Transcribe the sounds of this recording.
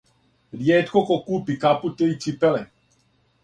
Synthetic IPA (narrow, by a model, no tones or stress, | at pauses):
djɛt̪kokokuːpikaput̪ejt͡ʃipɛlɛ